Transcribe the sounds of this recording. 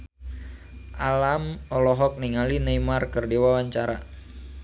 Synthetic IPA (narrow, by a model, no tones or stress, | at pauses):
ʔalamɔlɔɦɔk̚niŋalinejmarkərdewawaɲt͡ʃaɾa